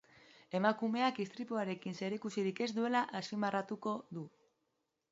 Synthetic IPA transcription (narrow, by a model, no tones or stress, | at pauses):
e̞makume̞akist̪ɾip̪uaɾe̞kinse̞ɾikusiɾike̞zd̪ue̞laʔasimarat̪uko̞ðu